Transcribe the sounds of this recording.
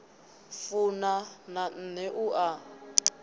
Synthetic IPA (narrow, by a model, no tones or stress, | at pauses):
funanan̩nɛʔuʔa